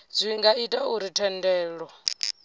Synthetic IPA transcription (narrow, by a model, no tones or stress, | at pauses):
zʷiŋɡaitʼauɾitʰɛndɛːɺɔ